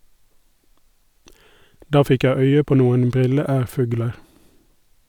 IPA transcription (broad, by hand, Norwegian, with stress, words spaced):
ˈdɑː ˈfɪk ˈjæɪ ˈœʏə ˈpoː ˈnuːən ˈbʁɪləˌæːʁˌfʉːɡləɾ